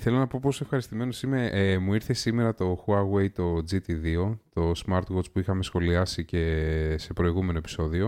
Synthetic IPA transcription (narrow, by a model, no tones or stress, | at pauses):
θe̞lonɐpo̞posoe̞fxɐɾist̪ime̞no̞simeʔemuiɾθe̞sime̞ɾɐt̪o̞xuɐɣwe̞jt̪o̞d͡zit̪iðio̞t̪o̞smɐɾt̪ɣot͡spuixɐme̞sxo̞liɐsice̞se̞pɾo̞iɣume̞no̞e̞pi̥so̞ðio̞